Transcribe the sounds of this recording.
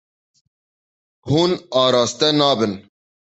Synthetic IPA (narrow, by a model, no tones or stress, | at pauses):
huːnɑːɾɑːst̪ɛnɑːbɨn